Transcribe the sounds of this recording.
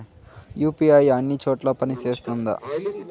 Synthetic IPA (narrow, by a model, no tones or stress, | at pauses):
juːpiajɐnːit͡ʃoːʈlaːpɐnit͡ʃe̞ːst̪und̪ɐ̰